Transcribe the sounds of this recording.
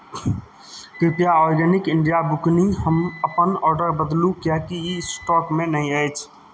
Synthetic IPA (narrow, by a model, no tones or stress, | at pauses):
t̪ipjaɔːɾɡɛnɪkɪ̃ɳɖijabʊkniɦəməpənɔːɾɖəɾbəd̪lũkjakiisʈɔːkmẽnɐɦĩət͡ʃʰ